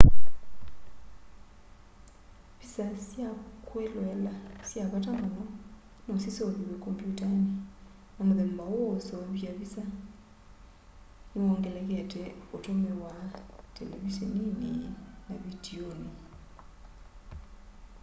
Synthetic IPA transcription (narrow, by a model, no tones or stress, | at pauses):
βisasjakʰwɛlwɛlasjakatʼamunɔ | nosisoðiwekʼɔmpʼjutʼani | namuðembawɔsɔβiaβisa | iɔŋɡɛlɛk̬ɛtʰɛutʰomɛwatʰʼɛlḛβiseninḭnaβidioni